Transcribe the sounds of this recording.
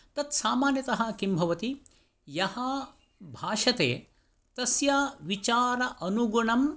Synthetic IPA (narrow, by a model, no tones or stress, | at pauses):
t̪ɐt̪saːmaːnjɐt̪ɐɦɐ̆kimbʱɐʋɐt̪i | jɐhɐ | bʱaːʂɐt̪ḛː | t̪ɐsjaːʋit͡ʃaːɾɐʔɐnuɡuɳɐm